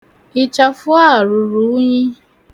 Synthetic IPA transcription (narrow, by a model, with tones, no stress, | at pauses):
ɪ˨t͡ʃa˨fʊ˦a˦˨ɾʊ˨ɾu˨˦ɲi˦